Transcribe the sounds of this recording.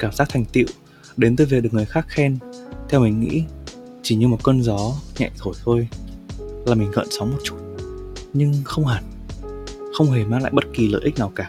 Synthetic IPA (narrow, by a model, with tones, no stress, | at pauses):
kaː˧˩mzaː˦˥k̚t̪ʰa˨˩jŋ̟t̪ḭ˧˨w | ɗe˨˦nt̪əː˨˧jvi˨˩ɗ̚ŋ˨˩əjxaː˦˥k̚xɛ˧nt̪ʰɛ˧wmï˨˩ŋ̟ŋḭ˧˥ | t͡ɕi˧˩ɲɨ˧mo˨˩t̚kə˧nzɔ˨˦ɲɛ̰˧˨jt̪ʰo˧˩jt̪ʰo˧j | laː˨˩mi˨˩ŋ̟ɣə̰˧˨nsɔ˨˦ŋ͡mmo˨˩t̚t͡ɕu̥˦˥t̚ɲɨ˧ŋxə˧wŋ͡mɦaː˨˧˩n | xə˧wŋ͡mɦe˨˩maː˧ŋla̰ː˧˨jɓə˦˥t̚ki˨˩ləː˧˨jʔi˦˥k̚naː˨˩wkaː˧˩